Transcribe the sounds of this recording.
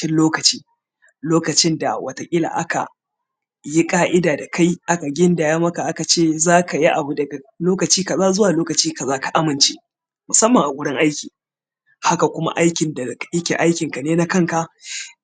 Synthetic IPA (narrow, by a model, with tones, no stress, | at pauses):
ɪ˦nloː˦kɐ˨t͡ʃiː˦ | loː˦kɐ˨t͡ʃɪ˦nda̰˨wʔɐ˨ta˨kʲʼɪ˦la̰ː˨ʔa˦ka̰˨ | ji˦kʼaː˦ʔɪ˦daː˨da˨ka˦jʔa˦ka˨ɡʲɪ˦nda˨jaː˦mɐ˦ka˨ʔa˦ka˨t͡ʃeː˦˨zaː˦kʰa˨ji˦ʔa˨bu˦dɐ˨ɡa˨loː˦kɐ˨t͡ʃiː˦ka˨zaː˦zʊ˦waː˨loː˦kɐ˨t͡ʃiː˦ka˨zaː˦ka˨ʔa˦mɪ˨nt͡ʃḛ˦ | mʊ˨sɐ˦mːɐ˨ŋʔa˨ɡʷʊ˦ɽɪ˦ŋʔa˦jkʲiː˨ | ha˦ka˨kʷʊ˦ma̰˦ʔa˦jkʲɪ˨nda˨jɪ˦kʲḛ˨ʔa˦jkʲɪ˨ŋka˨neː˦na˦kɐ˦ŋka˨